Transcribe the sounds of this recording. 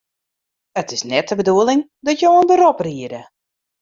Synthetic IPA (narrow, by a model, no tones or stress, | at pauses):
ətɪsnɛtəbəduəlˠɪŋdɔtjoːənbəɾɔpriəɾə